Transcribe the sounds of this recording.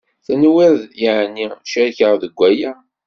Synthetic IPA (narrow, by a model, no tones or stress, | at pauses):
θænəwiɾðjaʕnːiʃæɾçəʁðəɡʷːæjæ